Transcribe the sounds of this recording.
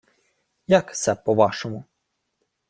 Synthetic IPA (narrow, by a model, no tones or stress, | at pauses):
jaksɛpɔʋɑʃɔmʊ